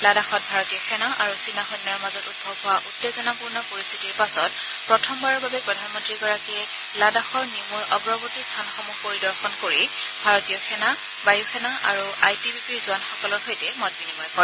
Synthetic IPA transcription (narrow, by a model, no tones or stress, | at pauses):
ladaxɔt̚bʱaɹɔtijɔxɛnaʔaɹusinaxotnɔɹmazɔtud̚bʱɔbɦɔwaʔutːezɔnapuɹnɔpoɹist̪ʰi̥tiɹpasɔt̚ | pɹɔtʰɔmbaɹɔɹbabɛpɹɔdʱanmɔntɹiɡɔɹakiɛ | ladaxɔɹnimuɹɔɡɹɔbutistʰanɔxɔmupoɹidɔɹxɔnkoɹi | bʱaɹɔtijɔxɛna | bajuxɛnaʔa̰ɹu | ajtibipiɹzʊanxɔkɔlɔɹxojtɛmɔt̚binimɔjpɔ